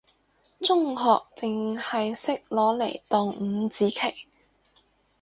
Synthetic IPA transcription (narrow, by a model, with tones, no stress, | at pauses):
t͡sʊ˥ŋɦɔː˨k̚t͡sɪ˨ŋhɐ˨jsɪ˥k̚lɔː˨˥le˨˩jt̪ɔː˨˧ŋm̩˨˧˦t͡siː˨˥kʰe˨˩j